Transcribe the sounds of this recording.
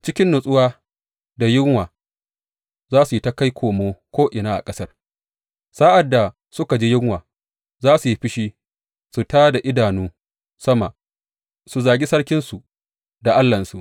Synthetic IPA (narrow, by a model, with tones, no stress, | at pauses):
t͡ʃɪ˦kʲɪ˦nːʊ˨sʼʊ˦waː˦ | da˨jɪ˦ŋwaː˨ | zaː˦su˨ji˦ta˦ka˦jkʷʰoː˨moː˦kʷoː˦ʔɪ˨naː˦ʔa̰˨kʼɐ˦sɐ˦r | saː˦ʔa˨dːa˨ | sʊ˦ka˨d͡ʒi˦jɪ˦ŋwaː˨ | zaː˦su˨ji˦ɸɪ˦ʃiː˦ | su˨taː˦da˨ʔɪ˦daː˨nuː˦ | sɐ˦ma˨ | su˨zaː˨ɡʲi˦sɐ˦ɽkʲɪ˦nsu˨ | da˨ʔa˦lːɐ˨nsu˨ʔ